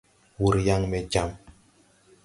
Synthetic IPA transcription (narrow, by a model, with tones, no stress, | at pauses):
wu˨ɾja˦ŋmɛ˨d͡ʒa˦m